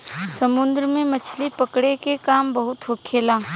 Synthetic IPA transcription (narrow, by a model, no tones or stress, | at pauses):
sɐmʊ̃nd̪ɾəmẽmɐt͡ʃʰlipɐkɽekekaːmbɐɦʊt̪ɦokʰeːlaː